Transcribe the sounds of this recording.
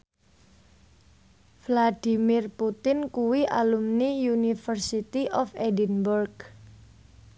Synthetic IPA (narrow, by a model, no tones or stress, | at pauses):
flad̥i̤mɪrput̪ɪnkuwiʔalumnijunifərsit̪iʔɔfedinburɡ